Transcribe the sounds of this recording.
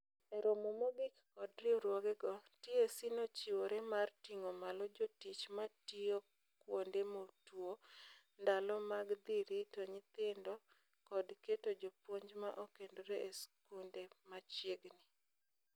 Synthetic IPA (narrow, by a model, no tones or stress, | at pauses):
eɾomomoɡɪkː | ɔdɾɪɔɾwɔɡɛɡɔtiesinot͡ʃiwoɾɛmartiŋomalɔd͡ʒotit͡ʃmatio | kwondemotwo | ndalɔmaɡd̪iɾitoɲɪt̪ɪndɔ | kɔdketod͡ʒopwoɲd͡ʒma̰ʔokendoɾeeskundemat͡ʃjeɡnɪ